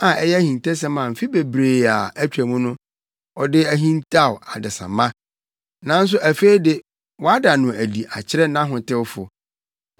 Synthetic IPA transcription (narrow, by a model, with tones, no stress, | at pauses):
ã˨ɛ˦jɛ˦æ˦hĩ˨n˨tɛ˦s̬ɛ˦mã˨m̩˨fi˦be˨bɾeː˨a˨æ˦t͡ɕᶣɾæ˨mũ˦nʊ̃˦ | ɔ˨dɪ˦æ˦ɦĩ˦ntʰa˦˨wa˨dɪ˨sã̰˨mã˦ | nã˦n̩˦s̬ʊ˦ʔæ˨fe˦i˦dɪ˦ | wɔ˦a˦da˨nʊ̃˨æ˨di˨ʔa˨t͡ɕʰɪ˦ɾɛ˦nã˦ɦʊ̃˨tɪ˦wfʊ̰˨